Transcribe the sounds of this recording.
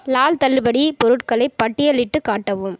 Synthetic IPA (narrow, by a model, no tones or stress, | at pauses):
laːlt̪ɐlːɯbɐɽipɔɾɯʈkɐɭɐɪpːɐʈːɪjɐlɪʈːɯkaːʈːɐʋɯm